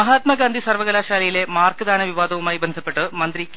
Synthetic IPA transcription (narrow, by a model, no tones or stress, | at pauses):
ɐɦaːt̪mɐɡaːnd̪ʱisɐrʋɐɣɐlaːɕaːlɐjile̞maːrkɨd̪aːnɐʋiʋaːd̪ɐʋumaːjibend̪ʱɐpːe̞ʈːɨmɐnd̪rik